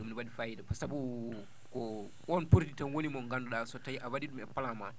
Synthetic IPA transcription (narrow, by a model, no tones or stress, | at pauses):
umnwadifajidakɔsabu | kɔ | ʔɔnpuɾditanwonimɔŋɡandɔɗasɔtajiʔawadiɗumɛpalaman